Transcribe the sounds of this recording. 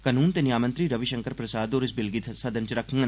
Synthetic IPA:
kənuːnt̪enɪjaːmə̃nt̪ɾiːɾəʋiʃəŋkəɾpɾəsaːd̪oːɾɪsbɪlɡɪt̪ʰsɐd̪ənt͡ʃɾəkʰəŋɡən

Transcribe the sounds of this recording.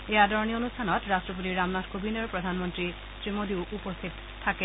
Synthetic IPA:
ead̪ʱɔɾnionustʰanɔt̪ɾastɾop̬ot̪iɾamnatkʰobineɾpɾod̪ʱanmont̪ɾi | t̪ɾimod̪iwʔupost̪ʰit̪ | t̪ʰake

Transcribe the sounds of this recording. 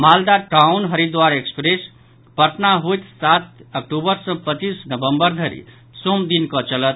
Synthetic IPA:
mald̪aʈaunɦəɾid̪waɾekspɾes | pəɾʈ̪naɦojt̪sat̪ək̚ʈubəɾsʌ̃pət͡ʃisnəbəmbəɾd̪ʱəɾḭ | somd̪inkət͡ʃələt̪

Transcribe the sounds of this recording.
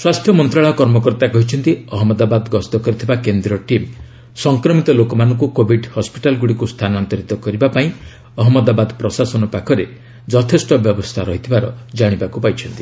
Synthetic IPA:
swast̪ʰjɔmɔnt̪ɾaɭɔkɔɾmɔkɔɾt̪akɔɦit͡ʃʰɔnt̪iɔɦɔmɔd̪abad̪ɡɔst̪ɔkɔɾit̪ʰibakend̪ɾɔʈim | sɔŋkɾɔmit̪ɔlokɔmanɔŋkukobʱiɖhɔspiʈalɡuɽikust̪ʰanɔant̪ɔɾit̪ɔkɔɾibapaĩ | ɔɦɔmɔd̪abad̪pɾɔsasɔnɔpakʰɔɾe | d͡ʒɔt̪ʰesʈɔbjɔbɔst̪ʰaɾɔɦit̪ʰibaɾɔd͡ʒaɽ̃ibakupajt͡ʃʰɔnt̪i̥

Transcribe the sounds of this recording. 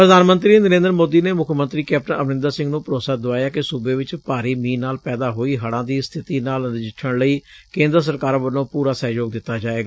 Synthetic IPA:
pɾəd̪aːnmənt̪ɾiːnəɾẽːnd̪əɾmoːd̪iːneːmʊkʰːmənt̪ɾiːkɛp̚ʈə̃əʋnɪ̃nd̪aːsɪ̃ŋɡnũːpəɾoːsaːd̪ʊʋaːjaːkɪsubeːʋɪt͡ʃpaːɾiːmĩːnaːlpɛːd̪aːɦoːiːɦəɽãːd̪iːst̪ʰɪt̪iːnaːlnɪd͡ʒɪʈʰːəɽləiːkẽːnd̪əɾs̬əɾkaːɾãʋəlõːpuːɾaːsɛːjoːɡd̪ɪt̪ːaːd͡ʒaːeːɡaː

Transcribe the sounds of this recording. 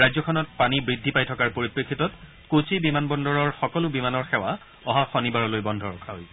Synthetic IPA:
ɹajzɔkʰɔnɔt̚panibɹidʱːipajtʰɔkaɹpoɹipɹekʰːitɔt | kosejbimanbɔndɔɹɔɹxɔkɔlʊbimanɔɹxɛwa | ɔɦaxɔnibaɹɔlojbɔndʱɔɹɔ̰kʰaɦo̰j

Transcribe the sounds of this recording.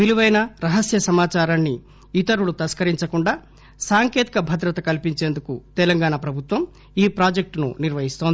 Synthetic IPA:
biliʋɐjnɐɾɐɦɐsjɐsɐmaːt͡ʃaːɾaːnːi | it̪ɐɾuɽut̪ɐskɐɾiɲt͡ʃɐkuɳɖaː | saːŋke̞ːt̪i̥kɐbʱɐd̪ɾɐt̪ɐkɐlipiɲt͡ʃeːnd̪ukut̪ɛlɐŋɡaːɳapɾɐbʱut̪ʋɐm | iːpɾaːd͡ʒek̚ʈnṵniɾʋɐɦist̪oːnd̪i

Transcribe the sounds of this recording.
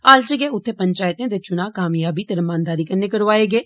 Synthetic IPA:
aːlt͡ʃəɡeːʊt̪ʰːeːpəɲt͡ʃaːjət̪ẽːd̪eːt͡ʃʊnãːkaːmjaːbiːt̪ɪɾəmãːnd̪aːɾiːkənːeːkəɽʋaːeːɡeː

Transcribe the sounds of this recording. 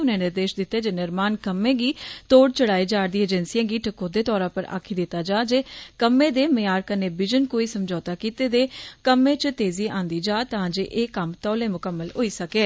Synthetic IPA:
ʊnẽːnɪɾd̪eːʃd̪ɪt̪ːeːd͡ʒeːnɪɾmaːnkəmːẽːɡiːt̪oːɽt͡ʃəɽaːiːd͡ʒaːɾd̪ĩːəd͡ʒɛnsijãːɡiːʈʰəkːõːd̪eːt̪ɔːɾãːpəɾa̰ːkʰiːd̪ɪt̪ːaːd͡ʒaːd͡ʒeːkəmːẽːd̪eːmɪjaːɾkəneːbɪd͡ʒənkoːiːsəmd͡ʒɔːt̪aːkiːt̪eːd̪eːkəmːẽːt͡ʃt̪eːziːãːnd̪iːd͡ʒaːt̪ãːd͡ʒeːʔeːkəmt̪ɔːlẽːmʊkəmːəlɦoːiːsəkeː

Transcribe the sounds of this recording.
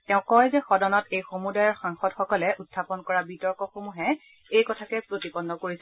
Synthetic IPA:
tɛʊ̃kɔjzɛxɔdɔnɔtejxomudajɔɹxaŋxɔdxɔkɔlɛʔutʰːapɔnkɔɹabitɔɹkɔxomuɦɛ | ejkɔtʰakɛpɹotipɔnːɔkoɹisɛ

